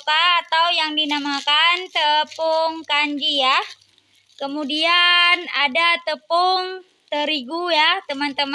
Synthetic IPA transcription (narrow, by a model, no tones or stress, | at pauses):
kaːt̪awjaŋdinamakant̪əpʊŋkaɲd͡ʒija | kəmudianadat̪əpʊŋ | t̪əɾiɡujat̪əmant̪əm